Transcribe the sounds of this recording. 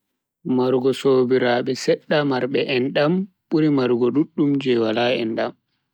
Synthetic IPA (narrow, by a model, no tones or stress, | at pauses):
maɾɡɔsoːbiɾaːɓɛsɛɗːamaɾɓɛʔɛnɗam | ɓuɾimaɾɡɔɗuɗːumd͡ʒɛwalaɛ̰nɗam